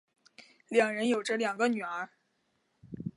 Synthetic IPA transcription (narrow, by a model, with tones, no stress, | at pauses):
ljɑ˨˩ŋɻə˧˥njo˨˩ʊʈ͡ʂɤ˥ljɑ˨˩ŋɡə˦ny˨˩ə˞˧˥